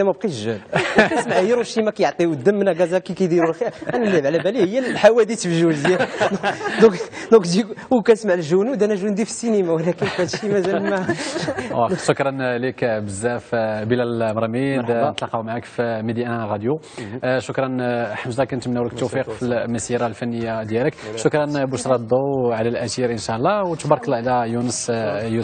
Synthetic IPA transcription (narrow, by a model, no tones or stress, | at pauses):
æmæbqiʒælkæsmaʕjɾuʃimækæjəʕt̪ˤiwd̪ːəmːənæɡɑzækikæjd̪iɾulxiɾænælːibʕlæbælihəjːælːħawæd̪it̪əfʒuzjæd̪d̪ɔ̃kd̪ɔ̃kd̪iwkænsmaʕlʒuniwd̪ænæʒund̪ifə̥sːinimawlækənfhæt̪ʃimæzæmæ | æʃʊkɾˤɑnlikbəzːæfbilælmɾˤmid̪ət̪lɑqɑwmaʕakfimid̪iʔæɣɑd̪ju | ʃʊkɾˤɑnħəmzɑkænt̪mnæwləkt̪ːufiqfilməsiɾalfænːəjːad̪jæləkʃʊkɾˤɑnbuʃɾˤɑd̪ˤuʕlælʔæt̪iɾʔənʃæʔəlˤːɑwt̪bɑɾˤkəlɑʕlæjunəsju